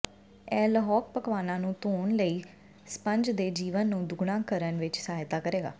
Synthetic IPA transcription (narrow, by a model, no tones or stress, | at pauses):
ɛːlɦɔːk̚pəkʋaːnãːnũːt̪oːɳləiː | spəɲd͡ʒd̪eːd͡ʒiːʋənːũːd̪ʊɡɳãːkəɾənʋɪt͡ʃsaːɦjt̪aːkəɾeːɡa̰ː